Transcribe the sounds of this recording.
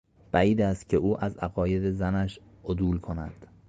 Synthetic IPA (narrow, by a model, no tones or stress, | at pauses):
b̥æiːd̪æːst̪̚cʲʰe̞uːʔæzæɣɒːje̞d̪ezænæʃ | ʔod̪uːlkʰo̞næ̰d̪̥